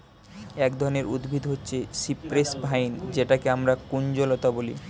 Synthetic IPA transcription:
ɛkd̪ʱɔɾoneɾud̪bʱid̪ɦotːɕʰeʃipɾesbʱajnd͡ʑeʈakeamɾakund͡ʑolot̪abolḭ

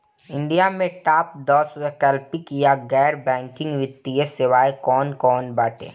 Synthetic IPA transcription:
ɪ̃ɳɖijamẽʈaːp̚d̪ɔːswɛkəlpɪkjaɡɛːɾbɛ̃ːŋkɪ̃ŋɡʋɪt̪ːiesɪʋaːekɔːnkɔːnbaːʈḛː

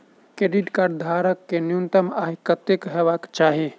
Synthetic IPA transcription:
kɾeɖiʈkaɾd̪ʱaɾəkːenijunt̪əmaɦikət̪ekɦebakt͡ʃaɦi

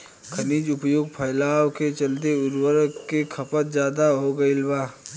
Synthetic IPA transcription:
kʰɐniːd͡ʒʊpjoːɡ̚pʰɐjlaːwket͡ʃɐlt̪eʊɾwəɾkekʰɐpət̪̚zjaːd̪aɦoɡɐɪlʋaː

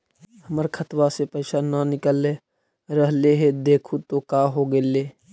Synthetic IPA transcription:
ɦəməɾkʰət̪wasepəɪsananɪkəlːe | ɾəɦleɦed̪eːkʰut̪okaːɦoɡeːleː

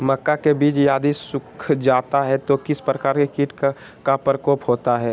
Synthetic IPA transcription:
mɐkːakebiːt͡ʃjaːd̪isʊkʰd͡ʒaːt̪aɦɛt̪okɪspɾəkaːɾkekiːʈ | kapɾəkɔːpɦoːt̪aɦɛː

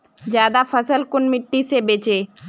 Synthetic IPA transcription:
d͡ʒjaːd̪afʰəsəlkʊnmɪʈːisebeːt͡ʃeː

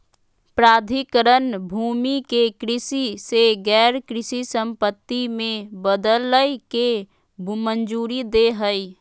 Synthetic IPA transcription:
pɾaːd̪ʱikəɾənbʱuːmikekɾɪsiseɡɛːɾkɾɪsisə̃mpət̪ːimẽbəd̪ələjke | bʱmənd͡ʒuːɾid̪eɦəi

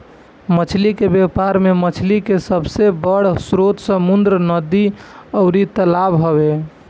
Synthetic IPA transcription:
mət͡ʃʰlikebepaɾmemət͡ʃʰlikesəbsebəɽ̤sɾot̪səmund̪ɾənəd̪iəʊɾit̪əlabɦəbe

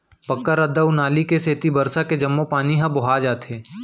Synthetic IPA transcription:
pɐkːəɾəd̪əunaːlikeseːt̪ibɐɾsaked͡ʒɐmːopaːniɦɐ̃bʊɦaːd͡ʒaːt̪ɦeː

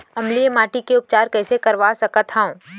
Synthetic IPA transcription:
ɐmlijemaːʈikeʊp̚t͡ʃaːɾkɛːsekɐɾʋasɐkət̪ɦaõː

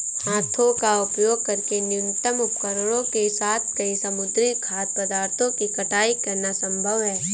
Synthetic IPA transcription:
hãːt̪ʰõkaʊpjoːɡ̚kɐɾkenjʊnɪt̪əmʊpkəɾəɽõkesaːt̪ʰkɐisɐmʊd̪ɾɪkʰaːt̪̚pɐd̪aːɾt̪ʰõkikɐʈaːikɐɾnasɐ̃mbʱəʋɦɛː

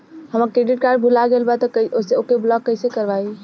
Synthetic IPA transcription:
həməɾkɾeɖiʈ̚kaɾɖ̚bʱulaɡelbat̪ɔoseokeblɔɡːəɪsekəɾbai

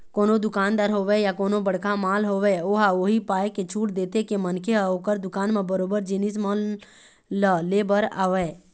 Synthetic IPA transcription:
koːnod̪ʊkaːnd̪aːɾɦoːʋɛjakoːnobəɽ̤kamaːlɦoːʋɛoːɦaoɦipaːjket͡ʃʰuːʈd̪eːt̪ekemənkʰeoːkəɾd̪ʊkaːnmẽbəɾoːbəɾd͡ʒɪnismə | ləleːbəɾa̰ːʋɛː

